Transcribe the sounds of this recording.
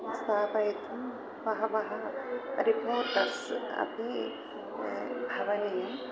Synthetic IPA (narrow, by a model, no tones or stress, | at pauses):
st̪aːpɐjt̪ʰɐm | ʋɐɦɐʋɐɦɐɾipoːɾʈɐɾsɐ̰pne | bʱɐʋɐnijɐm